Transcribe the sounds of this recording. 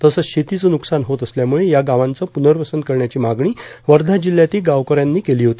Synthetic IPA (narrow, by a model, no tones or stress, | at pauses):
t̪əsəɕet̪it͡sənuksanɦot̪əsljamuɭejaɡaʋant͡səpunəɾpəsənd̪̚kəɾɳjat͡ɕiːmaɡɳiːʋəɾd̪ʱad͡ʑilːjat̪iːɡaʋkəɾjanːiːkeliːɦot̪i